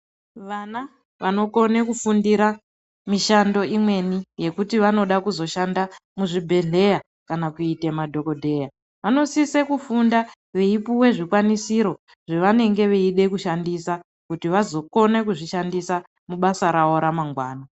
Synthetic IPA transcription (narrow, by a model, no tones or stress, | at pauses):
ʋana | ʋano̞ko̞ne̞kufundiɾa | miʃando̞imwe̞nije̞kutiʋano̞ɗakuzo̞ʃandamuʐibʱe̞ɮe̞ja | kanakuitemadʱo̞ko̞dʱe̞ja | ʋano̞sisekufunda | ʋeipuwe̞ʐikwanisiɾo̞ | ʐeʋane̞ŋɡe̞ʋeiɗe̞kuʃandisa | kutiʋazo̞ko̞ne̞kuʐiʃandisa | muɓasaɾawo̞ɾamaŋɡwaːna